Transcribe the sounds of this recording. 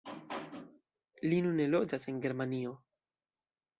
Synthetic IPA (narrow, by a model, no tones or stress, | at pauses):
linunːe̞lo̞d͡ʒase̞nɡe̞ɾmanio̞